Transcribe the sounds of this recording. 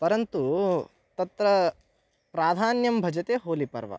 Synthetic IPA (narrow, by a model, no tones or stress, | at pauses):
pɐɾɐnt̪u | t̪ɐt̪ɾɐ | pɾaːd̪ʱaːnjɐmbʱɐd͡ʒɐt̪eːɦoːlipɐ̰ɾʋɐ̰